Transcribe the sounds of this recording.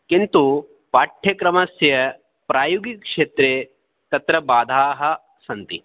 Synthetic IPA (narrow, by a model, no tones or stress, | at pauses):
kint̪u | paːʈʰjɐkɾɐmɐsjɐ | pɾaːjuɡikʂeːt̪ɾeː | t̪ɐt̪ɾɐbaːd̪ʱaːɦɐ | sɐnt̪ḭ